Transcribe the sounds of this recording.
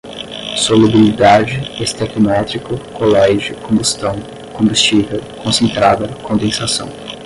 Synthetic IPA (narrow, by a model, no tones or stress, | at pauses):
solubilid̪ad͡ʒɪest̪ɛkimɛt̪ɾikʊkolɛʒjʊkõmbust̪ɐ̃w̃ | kõbust͡ʃivɐkõsẽnt̪ɾad̪ɐkõnd̪ẽsasɐ̰̃w̃